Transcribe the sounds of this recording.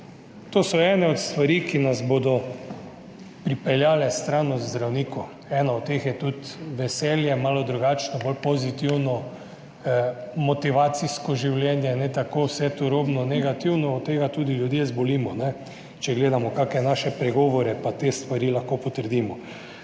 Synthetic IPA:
t̪oːsɔɛːnɛɔt̪st̪ʋaɾiːkinazbod̪ɔ | pɾipɛljaːlɛst̪ɾaːnɔzd̪ɾawniːku | ɛːnaɔt̪ːexjɛt̪ut̪ʋɛsɛːljɛmaːlɔd̪ɾuɡat͡ʃnɔbolpozit̪iwnɔ | mɔt̪iʋaːt̪siskɔʒiwljɛnjɛnɛt̪akoːwsɛt̪oɾoːbnɔnɛɡat̪iwnɔːt̪t̪ːeːɡat̪uːd̪iljud̪jezboliːmɔnɛ | t͡ʃɛɡleːd̪amɔkakɛnaːʃɛpɾɛɡɔʋɔɾɛpat̪eːst̪ʋaɾilaxkopɔt̪əɾd̪imɔ

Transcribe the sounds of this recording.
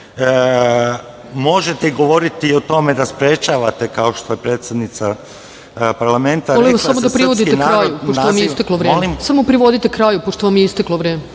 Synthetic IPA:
mo̞ʒet̪eiɡo̞ʋo̞ɾit̪iot̪o̞me̞d̪aspɾet͡ʃaːʋat̪e̞kao̞ʃt̪ojepɾeːt̪sed̪nit̪sa | paɾlˠament̪aoliʋassamod̪apɾiʋod̪it̪ekɾaːjupot̪ːoamjeist̪ekloʋɾelimsamopɾiʋo̞d̪it̪ekɾaːjupoʃt̪oʋamjeist̪eklˠoʋɾeːme

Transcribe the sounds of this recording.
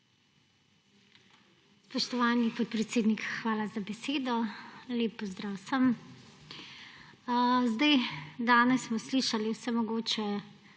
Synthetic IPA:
spɔʃt̪ɔʋaːnipɔt̪̚pɾɛt̪seːd̪nikxʋaːlazabɛseːd̪ɔleːpːɔzd̪ɾaːwsəm | zd̪ajd̪aːnɛsːmɔsliːʃaliwsɛmɔɡoːt͡ʃɛ

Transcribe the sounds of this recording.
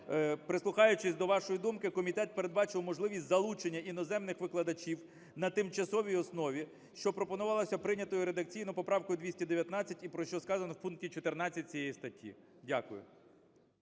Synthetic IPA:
pɾɪslˠʊxɑjʊt͡ʃɪsʲd̪ɔʋɑʃɔjid̪umkɪkɔmʲit̪ɛt̪̚peɾe̞d̪̚bɑt͡ʃɪwmɔʒlˠɪʋʲisʲtʲzɐlˠut͡ʃenʲːɐinɔzɛmnɪxʋɪklˠɐd̪ɐt͡ʃʲiw | nɐt̪ɪmt͡ʃɐsɔʋʲijɔsnɔʋʲi | ʃt͡ʃɔpɾɔpɔnʊʋɑlˠɐsʲɐpɾɪnʲɐt̪ɔjʊɾed̪ɐk̚t͡sʲijnʊpɔpɾɑwkɔjʊd̪ʲʋʲisʲtʲɐd̪eʋʲjɐt̪nɑt͡sʲːɐtʲipɾɔʃt͡ʃɔskɑzɐnɔwpunk̚tʲit͡ʃɔt̪ernɑt͡sʲːɐt̚ʲt͡sʲijɛjist̪ɐtʲʰːḭ | dʲakʊjʊ̰

